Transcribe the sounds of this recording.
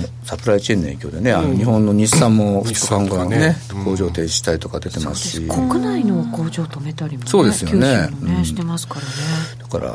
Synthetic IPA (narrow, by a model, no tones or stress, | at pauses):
mosapɯ̟ɾait͡ɕiiẽne̞ːkʲo̞ːd̪e̞ne̞anoɲ̟ihõ̞nːo̞ɲ̟ʲissãmːo̞ɸɯ̥o̥kãŋɡanekʰo̞ːʑo̞ːt̪e̞ːd͡ʑiɕi̥t̪ait̪o̞kad̪e̞t̪e̞ma̰sɨ̥ɕikokɯ̟nainoːkoːʑoːt̪omet̪aɾʲimso̞ːd̪esɨjo̞ne̞ɯ̟̃ɕt̪emaskaɾd̪̥ḁka̰ɾa̰